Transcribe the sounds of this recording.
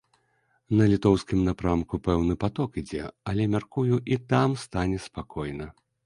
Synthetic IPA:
nɐlʲit̪ɔwskʲimnapɾamkupɛwnɨpat̪ɔkid͡zʲɛɐlʲɛmʲarkujuʔit̪amst̪anʲɛspakʰɔjnɐ

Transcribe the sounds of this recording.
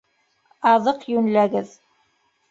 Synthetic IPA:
ɑðɤqjɵnlæɡɘð

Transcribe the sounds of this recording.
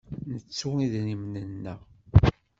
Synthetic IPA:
nət͡sːuiðnimnənːə

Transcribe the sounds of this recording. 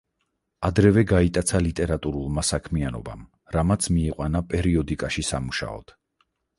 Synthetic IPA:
ad̪ɾɛvɛɡait̪ʼat̪sʰalit̪ʼɛɾat̪ʼuɾulˠmasakʰmianɔba̰m | ɾamat̪sʰmiːqʼwanapʼɛɾiɔd̪ikʼaʃisamuʃa̰ɔ̰d̪̥

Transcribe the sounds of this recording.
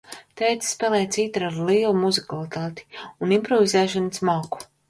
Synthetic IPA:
t̪ɛːjt̪sspɛːlˠɛːt̪sit̪ɾaɾliːlˠumuzikalˠit̪aːt̪i̥unimpɾɔvizɛːʃanəsmɔːku̥

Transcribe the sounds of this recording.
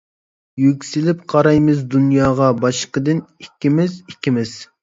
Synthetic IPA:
jykʲsɪlɪpqʰɑɾɑjmɨzd̪unjɑːʁɑbɑʃqəd̪ɪnikʲːimɪzikʲːimɪz̥

